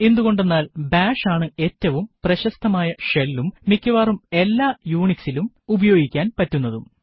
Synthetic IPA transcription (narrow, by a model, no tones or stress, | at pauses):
e̞nd̪uɣo̞ɳɖe̞nːaːlbaːʂaːɳɨe̞tːɐʋumprɐɕɐst̪ʰːɐmaːjɐʂelːumːikʲːɐʋaːrume̞lːaːjuːɳiksilum | ubɐjoːɡikʲːaːnpɐtːunːɐðum